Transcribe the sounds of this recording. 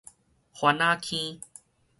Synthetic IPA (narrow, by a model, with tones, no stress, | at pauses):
xwa˧˦nã˦kʰĩ˦